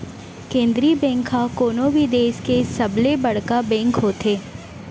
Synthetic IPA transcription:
kẽːnd̪ɾibɛ̃ːŋkɦakoːnobʱid̪eːskesɐblebɐɽ̤kabɛ̃ːŋkɦoːt̪eː

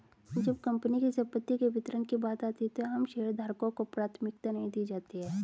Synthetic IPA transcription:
d͡ʒɐbkɐ̃mpənikisɐ̃mpət̪ːikeʋɪt̪əɾənkibaːt̪aːt̪iɛt̪oɦɐmʃeːɾd̪ʱaːɾkõkopɾaːt̪ʰmɪk̚t̪anɐɦĩd̪iːd͡ʒaːt̪iɦɛː

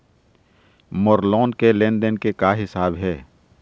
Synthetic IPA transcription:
moɾlɔːnkelẽːnɖənkekaɦɪsaːbɦɛː

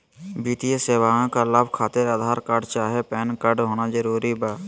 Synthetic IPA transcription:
biːt̪ijəseːwaːãkaləbʱkʰaːt̪ɪɾəd̪ʱaːɾkəɾɖt͡ʃaːɦepɛːnkəɖɦoːnazəɾuːɾibaː

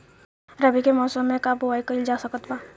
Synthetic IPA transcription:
ɾəbikemɔːsəmːẽkaboaːikəild͡ʒaːsəkət̪baː

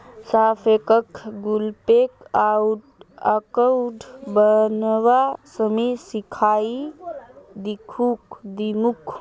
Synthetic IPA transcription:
sapʰekəkɡulpekawʈəkəwʈbənwasəmesikʰai | d̪ikʰukd̪imuk

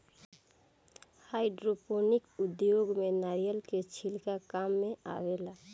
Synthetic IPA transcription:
haiɖɾoponikud̪joɡmenaɾijəlket͡ʃʰilkakamːea̰ʋela

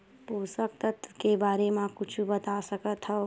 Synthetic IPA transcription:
puːsək̚t̪ət̪kebaːɾemãkʊt͡ʃʰubət̪asəkət̪ɦə

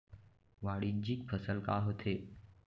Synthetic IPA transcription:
ʋaːɽid͡ʒik̚pʰəsəlkaɦot̪ʰeː

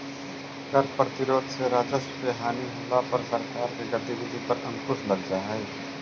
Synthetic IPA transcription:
kɐɾpɾɐt̪ɪɾoːd̪seɾaːd͡ʒəspɾeːɦaːniɦʊlapɐɾsəɾkaːɾkeɡɐt̪ibɪd̪ʱipɐɾɐ̃ŋkʊslɐld͡ʒaɦɛː

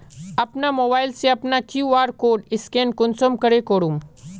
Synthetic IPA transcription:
ɐpnamoːbaːɪlseɐpnakjuːaːɾkoːɖɪskẽːnkʊnsomkɐɾekoːɽũm

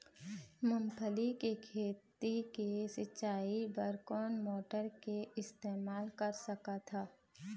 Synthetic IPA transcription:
mʊ̃mpʰəlikekʰeːt̪ikesɪʃaːibəɾkɔːnmoːʈəɾkeɪst̪eːmaːlkəɾsəkat̪ʰaː

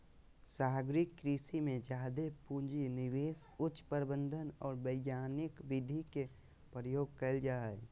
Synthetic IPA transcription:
saːɦɡɾɪkːɾiːsimẽd͡ʒaːd̪epud͡ʒinɪʋeːs | ʊt͡ʃːpəɾbə̃nd̪ʱənɔːɾbəɪɡjaːnɪkʋɪd̪ʱike | pɾəjoːɡ̚kəld͡ʒaːɛ

